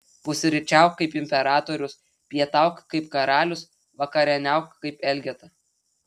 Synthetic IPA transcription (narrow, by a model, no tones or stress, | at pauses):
pʊsʲɪɾʲɪt͡ʃʲæˑʊkkːɐɪpɪmʲpʲɛɾɑːt̪oːɾʲʊs | pʲjiɛt̪ɑˑʊkkɐɪpkɐɾɑːlʲʊs | ʋɐkɐɾʲɛnʲæˑʊkkːɐɪpɛlʲɡʲɛt̪ɐ